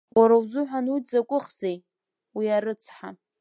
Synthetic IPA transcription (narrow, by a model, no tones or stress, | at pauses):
waɾawzʊħᶣʷanwuzakʷʼʊχz̥ej | wiaɾɨt͡sʰħa̰